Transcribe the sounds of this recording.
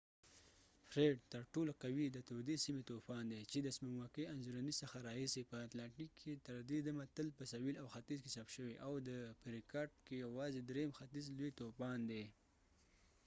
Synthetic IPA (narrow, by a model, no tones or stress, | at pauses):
fɾeɖt̪əɾʈolaqawid̪ət̪od̪esimet̪opɑnd̪et͡ʃed̪əsmamwakeanzuɾanisəxaɾɑhisepəat̪lɑɳʈikʰːet̪əɾd̪ed̪amat̪əlpəsawilawxat̪izkesapʃəweʔawd̪əpəɾikɑɾɖkejawɑzed̪ɾemxat̪izlwet̪opɑnd̪e